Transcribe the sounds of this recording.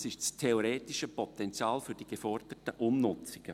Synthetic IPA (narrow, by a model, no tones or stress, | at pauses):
sɪʃstʰeoɾeːtɪʃəpʰɔtɛnt͡sjaːlfyɾd̥iɡ̥efɔrd̥ətəʔʊnːʊt͡sɪɡ̥ə